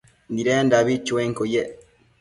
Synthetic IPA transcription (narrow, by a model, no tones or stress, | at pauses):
ndiɾeːndaβit͡ʃweːŋkoje